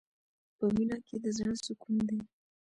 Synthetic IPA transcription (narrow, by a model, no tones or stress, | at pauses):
pəminɑkʰed̪əzəɳəsukund̪e